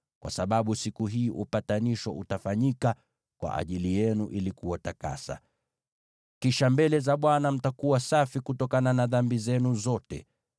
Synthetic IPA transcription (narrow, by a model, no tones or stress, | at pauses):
kwʔa̰saɓaɓusikuɦiːʔupataniʃɔʔutafaɲika | kwa̰ʔa̰ʄilijɛnuʔilikuwataka̰sa̰ | kiʃambɛlɛzaɓwanam̩takuwasafikutɔkananaðambizɛnuzɔtɛ̰